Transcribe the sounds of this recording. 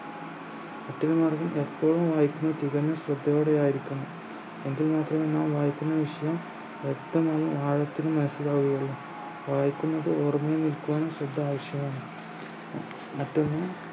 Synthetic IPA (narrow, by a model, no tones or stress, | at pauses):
ɐtːilmaːrɡɐmʔe̞pːoːɻumʋaːjikʲːunːɐt̪iɣɐnːɐɕrɐd̪ʱːɐjoːɽejaːjiɾikʲːuɳːɐ | eŋɡilmaːt̪rɐmenːaːmʋaːjikʲːunːɐʋiʂɐjɐm | ʋekt̪ɐmaːjumaːɻɐt̪ːinɨmɐnɐsːilaːʋɣiɣɐɭːɐ | ʋaːjikʲːunːɐðɨoːrɐmɐjenilkuʋaːɳɨɕrɐd̪ʱːɐaːʋɐʂjɐmaːɳɨ | ɐtːunːɐ